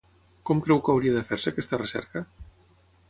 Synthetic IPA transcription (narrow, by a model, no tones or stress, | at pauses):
kɔmkɾɛwkəwɾiəðəfeɾsəkɛst̪ərəsɛ̰ɾkə